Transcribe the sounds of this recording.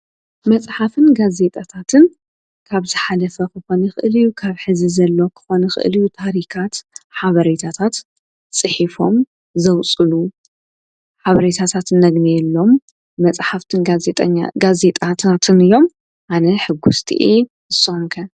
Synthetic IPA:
mɐt͡sʼħafɨnɡaze̞t̪ʼat̪ʰat̪ʰɨn | kʰaβzɨħalɐfɐkʰɨxo̞nɐxɨʔɨlɨjukʰaβħɨzizɐlːo̞kʰɨ̥xo̞nɐxɨ̰ʔɨ̰lijut̪ʰaɾikʰat̪ħaβɐɾet̪ʰat̪ʰat̪ | t͡sʼɨħifo̞m | zɐwt͡sʼɨlu | ħaβɐɾet̪ʰat̪ʰat̪nːɐɡnijɛlːo̞m | ɐt͡sʼħaft̪ʰɨneɲɡaze̞t̪ʼat̪ʰat̪ʰɨnɨjːo̞m | ʔanɐħɨɡust̪ʰḭʔi | ɨsumkʰɐ

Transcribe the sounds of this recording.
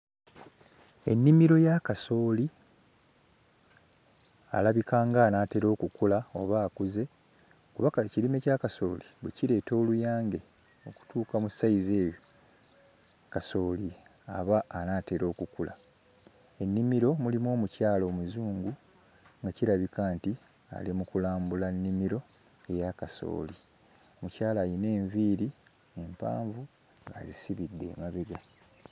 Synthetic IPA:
e̞̰nːimiɾo̞jakaso̞ːli | a̰laβikaːŋɡaːnaːte̞ɾo̞ːkukulao̞̰βaːkuze̞ | kuβakacilime̞cakaso̞̰ːliβweciɾe̞ːto̞ːlujaːŋɡe̞ | o̞̰ku̥tuːkamusaize̞ːjo | kaso̞ːli | aβaːnaːte̞ɾo̞ːkukula̰ | e̞nːimiɾo̞mulimo̞ːmucaːlo̞ːmuzuːŋɡu | ŋɡaciɾaβikaːnti | a̰limukulaːmbulanːimiɾo̞ | e̞jakaso̞̰ːli | o̞mucaːlaːjine̞ːɱviːɾi | e̞mpa̰ːɱvu | ŋɡazisiβidːe̞̰ːmaβeɡa

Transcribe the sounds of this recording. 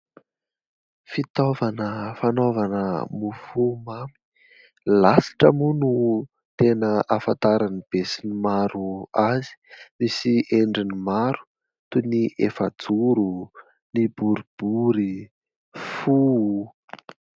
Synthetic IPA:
fit̪ovanəfanovanə̰mufumami̥ | lasi̥ʈ͡ʂəmunu | t̪enəʔafant̪aɾanib̥esinimaɾuazi̥misiʔeɳɖ͡ʐinimaɾu̥ | t̪uniʔefad͡zuɾu | nibuɾib̥uɾi | fu

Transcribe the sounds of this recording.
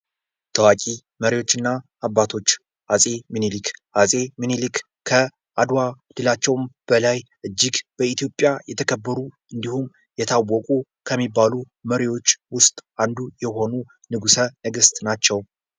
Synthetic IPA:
t̪ʰəwakʼi | məɾiwo̞t͡ʃːɨnːaː | bːat̪ʰo̞t͡ʃː | ʔasʼe̞mɨnilikʰʔasʼe̞mɨnilɨk | kʰːə | ʔad̪wa | d̪ɨlat͡ʃːɛwmb̥əlajʔɨd͡ʒːiɡb̥əit̪ʰijo̞pʼːjajɛt̪ʰəkʰəbːəɾu | ɨnd̪ihum | jɛt̪ʰawːɔkʼu | kʰəmːibːalu | məɾiwo̞t͡ʃːwʊst̪ʼand̪ujɛho̞nu | nɨɡusənəɡɨst̪ʼnat͡ʃːɛw

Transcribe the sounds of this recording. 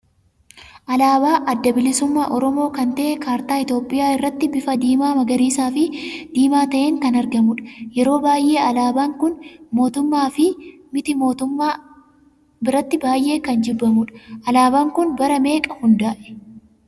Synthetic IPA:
ʔɐlaːbaːʔɐd̪ːɐbɪlɪsʊmːaːʔɔɾɔmo̞ːkɐnt̪ɐʔɛkaːɾt̪aːɪt̪jo̞ːpʼːɪjaːɪrːɐt̪ːɪbɪfɐd̪iːmaːmɐɡɐɾiːsaːfɪd̪̥iːmaːt̪ɐʔe̞ːŋkɐnɐɾɡɐmʊᶑɐ̥jɛɾo̞ːbaːjʔe̞ːɐlaːbaːŋkʊnmo̞ːt̪ʊmːaːfɪ | mɪt̪ɪmoːt̪ʊmːa | bɪɾɐt̪ːɪbaːjʔe̞ːkɐnd͡ʒɪbːɐmʊᶑɐ̥ʔɐlaːbaːŋkʊnbɐɾɐme̞ːkʼɐhʊnd̪aːʔɛ̥

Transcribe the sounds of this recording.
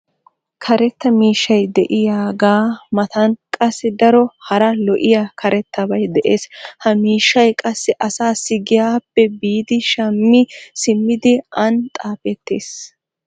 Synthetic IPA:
kʰɐɾɛt̪ːɐmiːʃːɐjd̪ɛʔɪjaːɡaːmɐt̪ɐnkʼɐsːɪd̪ɐɾɔhɐɾɐlɔʔɪjaːkʰɐɾʔɛt̪ːɐbɐjd̪ɛʔeːshɐmiːʃːɐjkʼɐsːɪʔɐsaːsɪɡɪjaːpːɛbiːd̪ɪʃɐmːɪsɪmːɪd̪ɪɐnt̪ʼaːfɛt̪ːeːs

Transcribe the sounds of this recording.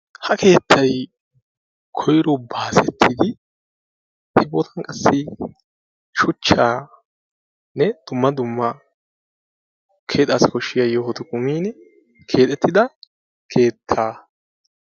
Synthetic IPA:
hɐkʰe̞ːt̪ʰːɐj | kʰɔjɾɔbaːsɛt̪ʰːɪd̪ɪ | hɛboːt̪ʰɐnkʼɐsːɪ | ʃʊt͡ʃːaː | nɛd̪̥ʊmːɐd̪ʊmːɐ | kʰe̞ːt̪ʼːaːsɪ̥kɔʃːɪjɐjohɔt̪ʊkʼʊmiːn | kʰe̞ːt̪ʼːɛt̪ːɪd̪ɐ | kʰe̞ːt̪ʰːaː

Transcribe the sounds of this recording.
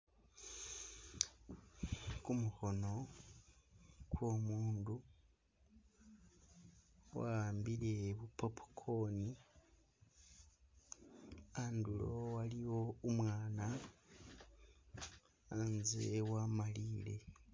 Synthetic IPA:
kumuxo̞no̞ | kwomuːndu | wa̰aːmbiɾe̞βupopu̥kʰo̞ni | andulo̰waliwo̞umwaːna | nzewamaliːle̞̰

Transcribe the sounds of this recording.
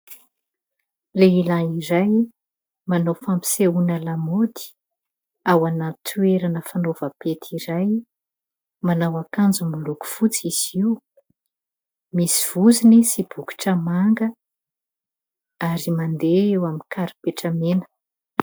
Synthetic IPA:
leilaiɾaj | manofampi̥seunalamod̪i̥ | awanat̪ʰueɾanəfanovəpet̪ʰiɾaj | manawakand͡zumuluku̥fut͡siz̥iu | misi̥v̥uzinisib̥uku̥ʈ͡ʂəmaŋɡə | aɾimand̪eewamikʰaɾi̥peʈ͡ʂəmenə̥

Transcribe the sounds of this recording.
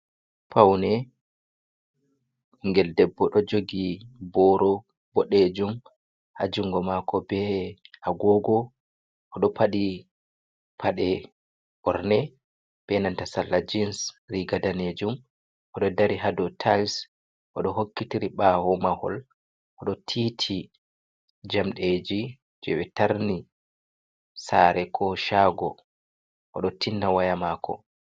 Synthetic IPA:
pawnɛ | ŋɡɛldɛbːɔɗɔd͡ʒoɡibɔɾɔ | bɔɗed͡ʒum | ʔad͡ʒuŋɡɔmakɔbɛʔaɡɔɡɔ | ʔɔɗɔpaɗi | pʰaɗɛ | ʔɔɾnɛ | b̥ɛnantasalːad͡ʒinsɾiɡadaned͡ʒum | ʔɔɗɔdaɾiɦadɔtʰals | ʔɔɗɔɦokːitiɾiɓahɔmahɔ̰l | ʔɔɗɔtʰitʰi | d͡ʒamɗed͡ʒi | d͡ʒɛwɛtaɾni | saːɾɛkʰɔʃaɡɔ̰ | ʔɔɗɔtʰinːawajamakʰɔ̰

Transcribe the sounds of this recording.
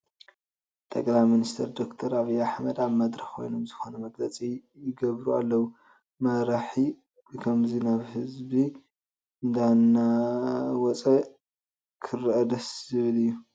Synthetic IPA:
t̪ʼɐkʼlajminist̪ʰɐɾd̪o̞kt̪ʰɐɾaβijaħmɐd̪aβmɐd̪ɾɐxkʰo̞̰jnomzɨxo̞nɐmɐɡlɐt͡sʼijɪɡɐβɾua̰lːɐwu | mɐɾaħi | bɨkʰɐmzinaβhɨzbi | ɨnd̪anːa | wɔt͡sʼɐ | kʰɨrʔɐd̪ɐszɨβlɨjːu

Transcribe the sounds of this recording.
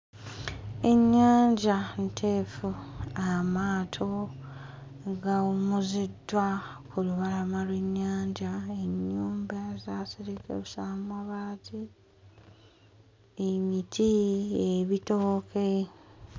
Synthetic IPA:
e̞ɲːaːɲɟantʰefuamaːtʰo̞ | ɡaumuzidːwakʰuluβalamalweɲːaːɲɟaeɲːuːmbaezaːsiɾikḛβusaːmwaβaːtʰi | emitʰieβitoːkʰe

